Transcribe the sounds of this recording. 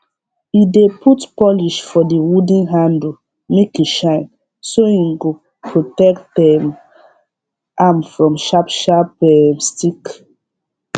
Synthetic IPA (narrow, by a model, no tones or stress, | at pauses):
idepʰutpɔliʃfɔdiwudĩnɦãndl | mekiʃãɪ̃n | soĩŋɡo | pʰɹotɛktdɛm | ʔamfɹɔ̃mʃapʃapɛmstik